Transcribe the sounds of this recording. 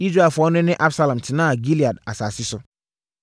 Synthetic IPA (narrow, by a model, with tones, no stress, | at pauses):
i˦s̬ɾe˨fʊ˨ɔ˦nʊ̃˦nɪ̃˦ʔa˦bsa˦lã˨m˨tʰɪ˨nãː˦a˨ɡi˦li˨a˨da˨saː˨sɪ˦sʊ˦